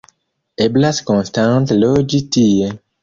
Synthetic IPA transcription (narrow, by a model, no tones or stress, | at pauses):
eblaskɔ̃nstãntlɔd͡ʒitie